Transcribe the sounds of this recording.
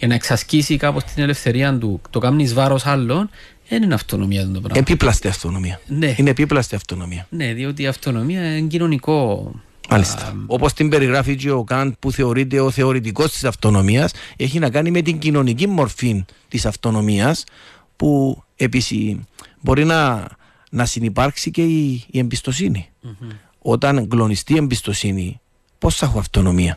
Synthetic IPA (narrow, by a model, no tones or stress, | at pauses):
cenɐeksɐscisikapost̪ine̞le̞fθe̞ɾiɐnd̪ut̪okɐmnizvɐɾo̞sɐlːo̞n | ðeninɐft̪onomiɐðend̪opɾɐ̰epiplɐst̪eɐft̪ono̞miɐneinepiplɐst̪eɐft̪o̞no̞miɐneðiot̪̬iɐft̪o̞no̞miɐɲɟino̞niko̞ | mɐ̰list̪ɐo̞post̪imbe̞ɾiɣɾɐfit͡ʃiokɐnd̪̚puθe̞o̞ɾit̪̬e̞oθe̞o̞ɾit̪̬iko̞st̪i̥sɐft̪o̞no̞miɐse̞çinɐkɐnime̞t̪iɲɟino̞nicimːo̞ɾfin | t̪isɐft̪o̞no̞miɐs | pue̞pisibo̞ɾinɐ | nɐsinipɐɾksice̞iːembist̪o̞sini | o̞t̪ɐnɡlo̞nist̪iembist̪o̞sini | po̞sθɐxuɐft̪o̞no̞miɐ